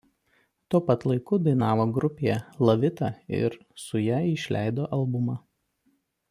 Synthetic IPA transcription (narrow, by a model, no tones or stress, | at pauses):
t̪uːpɐt̪lˠɐɪkʊd̪ɐɪnɑːʋoːɡɾʊpʲejɛlˠɐʋʲɪt̪ɑɪ̰ɾ | sʊjæɪʃʲlʲʔæ̰ˑɪd̪oːʔɐlˠbʊmɑ